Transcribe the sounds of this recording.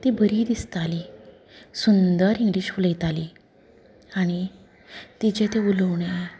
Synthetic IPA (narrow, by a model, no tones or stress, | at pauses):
t̪ibʱəɾid̪ist̪ali | sund̪əɾiŋɡliːɕfuləjt̪ali | aɽ̃i | t̪id͡ʑẽt̪euləwɳe